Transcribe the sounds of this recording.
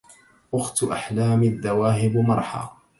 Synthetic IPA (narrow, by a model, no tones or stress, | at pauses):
ʔʊxt̪ʔaħlaːmɪaðːawaːɦɪbmɑɾˤħa̰ː